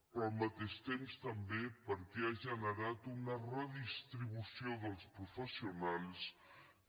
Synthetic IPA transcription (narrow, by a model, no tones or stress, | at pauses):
pɾɔlˠmət̪eʃt̪emst̪əmbepəɾkeaʒənəɾat̪unərəðist̪ɾiβusioðəlˠspɾufəsiunalˠs